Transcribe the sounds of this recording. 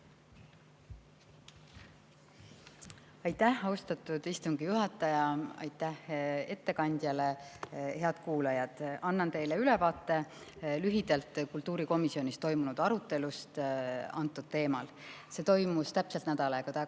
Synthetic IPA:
ɑjt̪ːæhɑwst̪ɑt̪ːˑud̪̥ist̪uŋɡ̥ijuɦɑt̪ːˑɑjɑɑ̰jt̪ːæhe̞t̪ːe̞kɑnʲd̪̥ʲjɑle̞he̞ɑd̪̥kuːlɑjɑd̪̥ɑnːɑnt̪e̞jleyle̞vɑːt̪ːˑe̞lyɦid̪̥ɑlt̪ˑkult̪ːˑuːɾiko̞misio̞nist̪o̞jmunud̪̥ɑɾut̪ːˑe̞lust̪ɑ̰nt̪ːˑud̪̥̚t̪e̞ːmɑl | se̞ːt̪o̞jmust̪æpse̞lt̪næd̪̥ɑlɑkɑt̪æ

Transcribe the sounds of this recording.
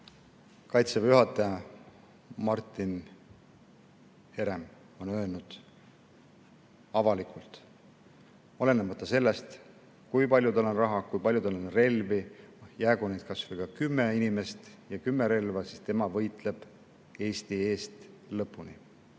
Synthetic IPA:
kɑjt̪sevjuɦɑt̪ːˑɑjɑ | mɑrt̪ːˑin | he̞ɾem | o̞nø̞ːlnud̪̥ | ɑvɑlikult̪ˑ | ole̞nːemɑt̪ːˑɑse̞lːe̞st̪ | kujpɑlʲjud̪ɑlonrɑɦɑkujpɑlʲjudt̪ɑlonre̞lvijæːɡunejt̪̚kɑsvujkɑkymːeinime̞st̪jɑkymːe̞ɾe̞lvɑsist̪e̞mɑvɤ̞jt̪ˑle̞b̥ | e̞ːst̪ie̞ːst̪ | lɤpːˑunḭ

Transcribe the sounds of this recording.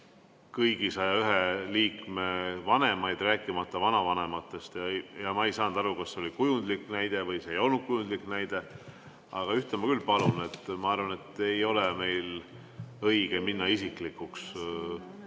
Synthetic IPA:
kɤjɡ̥isɑjɑyɦe̞liːkme̞vɑne̞mɑjd̪ræːkːˑimɑt̪ːˑɑvɑnɑvɑne̞mɑt̪ːˑest̪jɑjɑmɑejsɑːnd̪ɑɾukɑsːeo̞likujund̪likːnæjd̪̥e̞vɤjse̞ːjo̞lnud̪̥̚kujund̪liknæjd̪̥e̞ | ɑɡ̥ɑyht̪emɑkylːpɑlune̞t̪ːˑmɑɑrvɑne̞t̪ːejo̞leme̞jl | ɤjɡ̥e̞minːɑisiklikːˑuks

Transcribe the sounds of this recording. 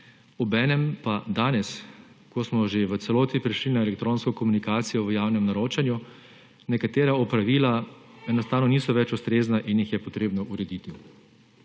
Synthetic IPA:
ɔbɛːnɛmpad̪aːnɛs | kɔsmɔʒeʋət̪sɛloːt̪nipɾɛʃlinaɛlɛk̚t̪ɾoːnskɔkɔmunikaːt̪sijɔʋəjaːwnɛmnaɾoːt͡ʃanju | nɛkat̪eːɾaɔpɾaʋiːlaɛnɔst̪aːwnɔniːsɔʋɛt͡ʃust̪ɾeːznaʔinjixjɛpɔt̪ɾeːbnɔʔuɾɛd̪it̪i

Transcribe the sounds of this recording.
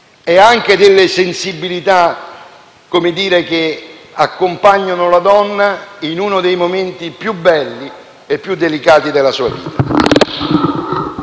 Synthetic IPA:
ɛaŋk̟ed̪ɪlːesensibilit̪a | kːomed̪iːɾek̟eakːompaɲːonʊlad̪ɔnːainuːnʊd̪ejmoment̪ipjubːɛlːi | epːjud̪ːelikaːt̪id̪elasuːa̰vḭːt̪a

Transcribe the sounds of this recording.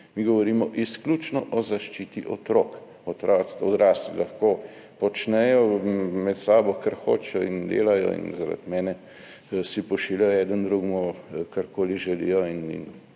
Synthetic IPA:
miɡɔʋɔɾiːmɔʔisklʲut͡ʃnɔʔɔzaʃt͡ʃiːt̪iʔɔt̪ɾoːk | ɔt̪ɾasɔd̪ɾaːslilɐxkoːpɔt͡ʃnɛjɔmɛt̪saːbɔkaɾxo̰ːt͡ʃɛjɔind̪ḛːlajɔ̰ḭnzaɾa̰t̪mɛːnɛ | sipɔʃiljajɔɛːd̪ənd̪ɾuɡmukaɾkoːliʒɛlḭːjɔinḭn

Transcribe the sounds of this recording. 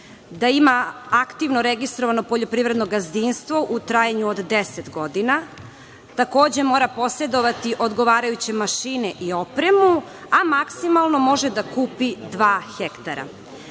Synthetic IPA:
d̪aimaakt̪iʋnoɾeɡist̪ɾo̞ʋanopo̞ʎo̞pɾiːvɾe̞d̪no̞ɡazd̪inst̪ʋo̞ʔut̪ɾaːjaɲuod̪d̪eset̪ɡo̞d̪ina | t̪ako̞ːd͡ʑe̞mo̞ːɾapo̞sɾe̞d̪o̞ʋat̪iʔo̞d̪ɡo̞ʋaːɾajut͡ɕe̞maʃiːneʔio̞pɾemu | amaksimalˠno̞mo̞ʒed̪akuːpid̪ʋaːxekt̪aɾa̰

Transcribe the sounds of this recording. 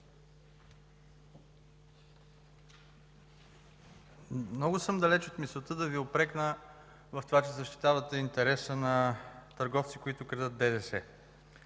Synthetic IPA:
mnɔɡʊsɤmd̪ɐlɛt͡ʃot̪misˠot̪əd̪ɐviopɾɛknə | vɐft̪ovat͡ʃɛzəʃt̪i̥t̪avət̪ɛint̪ɛɾɛsənɐt̪əɾɡɔft̪sikʊit̪ʊkɾɛd̪ət̪̚bɛd̪ɛsɛ

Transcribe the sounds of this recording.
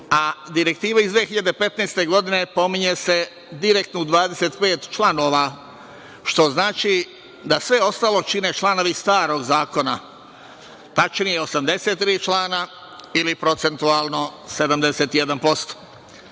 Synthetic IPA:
ad̪iɾe̞k̚t̪iːʋaizd̪ʋeːxiʎad̪epe̞t̪neːst̪e̞ɡo̞d̪ine̞po̞miɲese̞ | d̪iɾekt̪noud̪ʋaːd̪ese̞t̪pe̞ːt̪t͡ʃlano̞ːʋa | ʃt̪o̞znaːt͡ʃi | d̪asʋe̞o̞st̪aːlo̞t͡ʃinet͡ʃlˠanoʋist̪aːɾo̞ɡzaːko̞na | t̪at͡ʃnijeo̞samd̪e̞set̪̚ːɾiːt͡ʃlˠaːna | ilipɾot̪se̞nt̪uaːlˠno̞sed̪amd̪ese̞ːt̪ijed̪anpo̞st̪o̥

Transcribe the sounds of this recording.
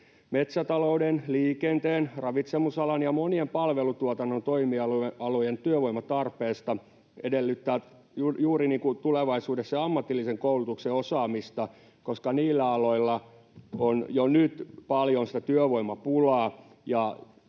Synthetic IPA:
met̪sæt̪ɑloudenliːkent̪eːnrɑʋit̪semusɑlɑnjɑmoniempɑlʋelut̪uot̪ɑnːont̪oimiɑleʔɑlojent̪yøʋoimɑt̪ɑrpeːst̪ɑ | edelːyt̪ːæː | jujuːɾiniːŋkut̪uleʋɑisuːdesːɑɑmːɑt̪ːilːiseŋkoulut̪ukseosɑːmist̪ɑ | koskɑniːlːæɑloilːɑ | onjonyt̪pɑljonsi̥t̪æt̪yøʋoimɑpulɑː | jɑ

